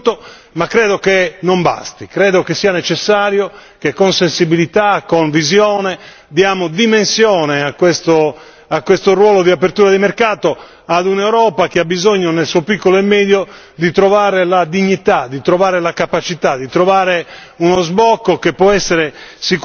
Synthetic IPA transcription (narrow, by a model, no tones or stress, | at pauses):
t̪ːo | makːɾɛːðokenomba̰st̪ikɾɛːd̪okesiːanɛt͡ʃɛsːaːɾjokekːonsensibilit̪akːoɱvizjɔːnɛ | d̪jaːmod̪imensjɔːnɛakːwest̪o | akːwest̪orwɔːlod̪iapert̪uːɾad̪imerkaːt̪o | ad̪unewɾɔːpakeabizoɲːonelsuopikːɔloɛmːɛːd̪jo | d̪it̪ɾɔvaːɾelad̪iɲːit̪ad̪it̪ɾɔvaːɾelakapat͡ʃit̪ad̪it̪ɾɔvaːɾe | unɔzbɔkːokepːwɔɛsːeɾesik